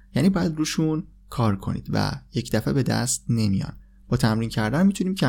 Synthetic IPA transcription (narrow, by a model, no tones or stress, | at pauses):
jæniːbɒːjæd̪ɾuːʃun | kʰɒːɾkʰo̞̰nḭːd̪̥væ̰je̞cʰd̪æfebe̞d̪æ̰st̪̚ne̞mijɒ̰ːn | b̥ɒːt̪ʰæmɾiːncʰæɾd̪ænmit̪ʰuniːmcʰæ